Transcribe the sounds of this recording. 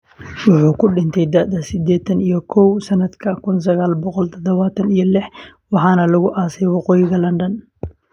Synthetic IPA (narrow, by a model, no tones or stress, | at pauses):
wʊħuːkʰʊɖɪnt̪ʰɛjd̪aːd̪ɐsɪd̪ɛːt̪ʰɐnijɞkʰɔwsɐnɐd̪kʰɐkʰʊns̬ɐɣaːlbɔqɔlt̪ʰɔd̪ɔβaːt̪ʰɐnijɔlɪħ | wɑħɑːnɐlɐɣʊʔaːsɛjwɑqɔːjɪɣɐlɐnɖɐn